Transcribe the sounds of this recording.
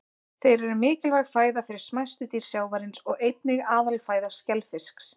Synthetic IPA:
θejɾɛɾʏmɪːcɪlvaɣfaːjðafɪɾɪɾ̥smajst̪ʏt̪iːɾ̥sjaːwvaɾɪnsɔɣejt̪̚nɪɣaːðalfaːjðaɾ̥scɛlfɪsks

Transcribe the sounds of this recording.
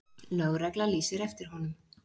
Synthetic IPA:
nœwɾɛklaliːsɪɾɛft̪ɪɾ̥ɦɔnʏm

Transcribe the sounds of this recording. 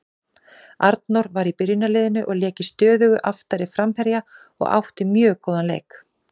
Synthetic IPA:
aɾt̪nɔwɾvaɾipɪɾjɪnalɪːðɪnʏʔɔɣljɛːcɪst̪œːðʏɣʏʔaft̪aɾɪfɾamhɛɾja | ɔ̰ɣa̰wht̪ɪmjœːkoːwðanlḛːjk

